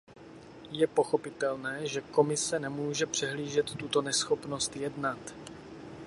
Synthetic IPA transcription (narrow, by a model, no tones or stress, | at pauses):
jɛpo̞xo̞pɪt̪ɛlnɛːʒɛko̞mɪsɛnɛmuːʒɛpr̝̥ɛɦliːʒɛt̪ːut̪o̞nɛsxo̞pno̞st̪jɛdnat̪